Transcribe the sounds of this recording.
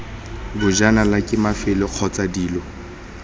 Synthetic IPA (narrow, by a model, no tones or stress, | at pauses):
bʊd͡ʒanalakʼɪmafɪlɪq͡χʰɔt͡sʼadiːlɔ